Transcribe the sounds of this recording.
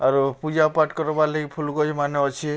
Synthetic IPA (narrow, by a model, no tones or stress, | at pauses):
aɾupud͡ʒaɔpaʈkɔɾɔbaleɡipʰuluɡɔɦimaneɔt͡ʃʰi